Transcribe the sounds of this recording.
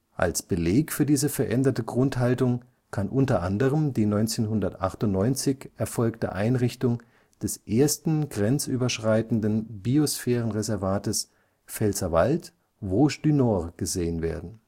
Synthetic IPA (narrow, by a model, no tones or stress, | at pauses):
ʔa̰lsb̥əleːkfyːɐdiːzəfɛɐʔɛndɐtəɡʁʊnthaltʊŋ | kʰanʔʊntɐʔandəʁəmdiːnɔʏnt͡seːnɦʊndɐtʔa̰χtʊntnɔʏnt͡sɪçʔɛɐfɔlk̚tə̰ʔaɪnʁɪçtʊŋ | d̥ɛsʔeːɐstn̩ɡʁɛnt͡sʔyːbɐʃʁ̥aɪtn̩dənbiosfɛːʁ̞ənʁezɛɐvaːtəs | fɛlsɐvalt | voːʃd̥ynɔʁɡ̥əzeːənveːɐdn̩